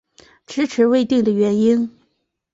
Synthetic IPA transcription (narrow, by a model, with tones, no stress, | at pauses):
ʈ͡ʂɻ̩˥ʈ͡ʂʰɻ̩˧˥we˥ɪt̪i˥˩ŋd̪ə˩ɥɛ˧˥ni˥n